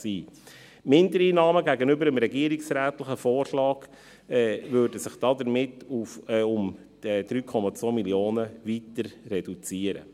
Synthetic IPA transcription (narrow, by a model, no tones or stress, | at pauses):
siː | mɪndəɾiːnɑːməɡæɡənʏbəɾəmɾɛɡiəɾɪksɾæːtlɪχəfɔːrʃlɑːɡ̥ | vøːɾdəsɪχd̥ɑːd̪əɾmɪtufʊm | ɛd̥ɾyːkʰɔmɑt͡sʋoːmiljoːnəvitəɾːɛdut͡siəɾə̰